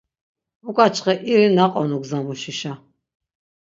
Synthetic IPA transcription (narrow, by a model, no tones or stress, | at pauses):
ukʼat͡ʃʰʼqɛʔiɾinaqʼɔnuɡzamuʃiʃa